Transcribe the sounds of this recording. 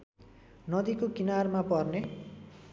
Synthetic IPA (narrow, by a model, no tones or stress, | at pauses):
nʌd̪ikokinarmapʌrne